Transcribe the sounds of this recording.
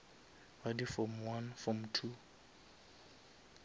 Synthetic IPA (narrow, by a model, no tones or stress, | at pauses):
wadifɔmwanfɹɔmtʰu